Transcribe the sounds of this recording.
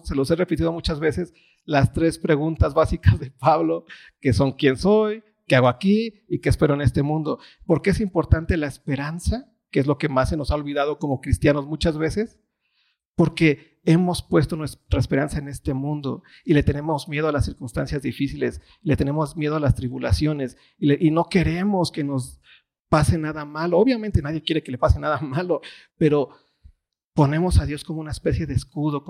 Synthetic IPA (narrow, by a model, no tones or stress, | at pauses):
se̞lo̞sere̞pit̪iðo̞mut͡ʃazβe̞se̞s | last̪ɾe̞spɾe̞ɣunt̪azβasikazðepaβlo̞ | ke̞so̞ŋkje̞nsoj | keaɣoakiikeːspe̞ɾoene̞st̪e̞mũnd̪o | po̞ɾkeesimpo̞ɾt̪ant̪e̞laespe̞ɾansa | keezlo̞ke̞masːe̞no̞sao̞lβið̞að̞o̞ko̞mo̞kɾist̪jano̞zmut͡ʃazβe̞se̞s | po̞ɾke̞ | e̞mo̞spwe̞st̪onwest̪ɾaespe̞ɾansaene̞st̪e̞mũnd̪o̞̰ | ile̞t̪e̞ne̞mozmjeð̞o̞alasːiɾkunst̪ansjazðifisile̞s | ilet̪e̞ne̞mo̞zmje̞ð̞o̞alast̪ɾiβulasjo̞ne̞s | ileʔino̞ke̞ɾe̞mo̞skeno̞s | pase̞naðamalooβjament̪e̞naðje̞kjeɾe̞kele̞pasenaðamalo̞ | pe̞ɾo̞ | po̞ne̞mo̞saðjo̞skomounaespe̞sje̞ðeːskuðo̞